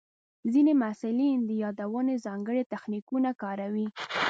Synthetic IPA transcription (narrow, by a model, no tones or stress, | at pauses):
zinemasɪlind̪əjɑd̪awənezɑŋɡəɽet̪axnikunakɑɾawi